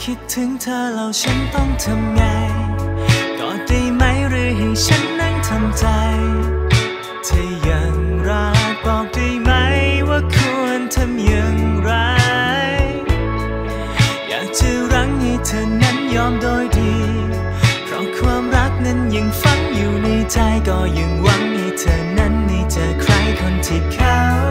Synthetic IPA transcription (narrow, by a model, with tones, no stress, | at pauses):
kʰi˦˥t̪ʰːɯ˨˦ŋt̪ʰəː˧la˨˧wt͡ɕʰa˦˥nt̪ɔ˥˧˩ŋt̪ʰa˧mŋa˧j | t̪ɔː˨˩diː˧˩ma˦˥jɾɯː˧˩ɦɛ˨˩jt͡ɕʰa˦˥nːa˧ŋt̪ʰa˧mt͡ɕa˧jj | t̪ʰi˧˩ja˨˩ŋɾa˧˦˥t̪ɔː˨˩k̚diː˧ma˦˥jwaː˧˩kʰu˧ənt̪ʰa˧mja˨˩ŋɾa˧˦j | ja̰ː˨˩k̚t͡ɕɯ˧˩ɾa˧˥ŋji˧t͡ɕʰə˨˩nːa˧˥njɔː˧mdoː˧jdiː˧ | pʰɾɔ̰˨˧˩kʰwaː˧mɾa˦˥k̚nə˧˥nji˨˧˩ŋfa˧˥ŋju˨˩ni˧jt͡ɕa˧jt̪ɔː˧˩jɯ˨˩ŋwa˧˥ŋni˧t͡ɕəː˨˩nːa˧˥nːi˧t͡ɕaː˨˧˩kʰɾa˧˥jkʰo˧nt̪ʰi˨˩kʰa˧˥ww